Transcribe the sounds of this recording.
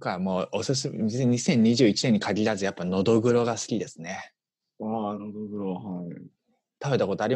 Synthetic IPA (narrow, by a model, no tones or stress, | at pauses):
kamoːosɨs̬ɨmeɲisẽ̞ɲ̟ːiʑɨːit͡ɕine̞ɲ̟ːikʰaɡʲiɾazɨjapːano̞d̪o̞ɡɯ̟ɾo̞ɡasɨ̥kʲid̪e̞sɨne̞ | anod̪oɡɯ̟ɾohai | t̪aβe̞t̪ako̞t̪oaɾʲi